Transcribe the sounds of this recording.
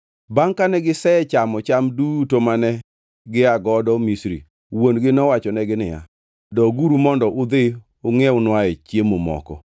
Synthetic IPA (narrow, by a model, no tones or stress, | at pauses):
baŋkanɛɡɪsɛɛt͡ʃamɔt͡ʃamdutomanɛ | ɡɪaɡɔdɔmisɾḭ | wonɡɪnɔwat͡ʃɔnɛɡɪnɪja̰ | dɔɡuɾumɔndɔʔʊd̪ɪ | ʊŋɛʊnwaɛt͡ʃjemomɔ̰kɔ̰